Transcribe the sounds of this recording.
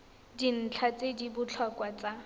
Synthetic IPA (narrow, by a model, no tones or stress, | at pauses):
din̩t͡ɬʰat͡sedibʊt͡ɬʰɔkwat͡sa